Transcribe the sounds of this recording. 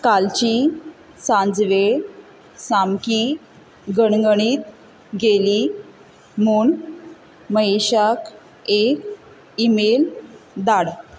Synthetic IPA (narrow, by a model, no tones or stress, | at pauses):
kalt͡ɕi | sãnd͡zʋe | samki | ɡəɳŋɡəɳ̃iːt̪ | ɡeli | muɳ | məeɕak | ek | imeld̪aɽ